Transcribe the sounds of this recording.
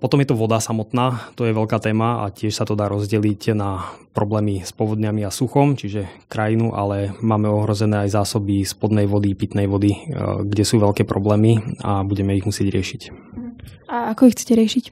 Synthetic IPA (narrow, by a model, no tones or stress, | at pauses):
pɔt̪ɔmjɛt̪ɔʋɔd̪asamɔt̪naːt̪ɔjɛʋɛʎkaːt̪ɛːmaa̰cɪɛʃsat̪ɔd̪aːɾɔzɟɛlicnapɾɔblɛːmispɔʋɔd̪ɲamiasuxɔmt͡ʃiʒɛkɾajinuʔa̰lɛmaːmɛɔɦɾɔzɛnɛːajzaːsɔbispɔd̪nɛjʋɔd̪ipit̪nɛjʋɔd̪iɡɟɛsuːʋɛʎkɛːpɾɔblɛːmia̰buɟɛmɛiɣmusɪɛɟɾɪɛʃic | aakɔixt͡sɛ̥cɛɾɪɛʃic